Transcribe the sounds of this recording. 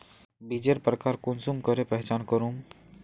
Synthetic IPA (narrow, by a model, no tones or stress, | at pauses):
bid͡ʒeɾpɾəkaːɾkʊnsumkəɾepɛɦt͡ʃaːnkəɾum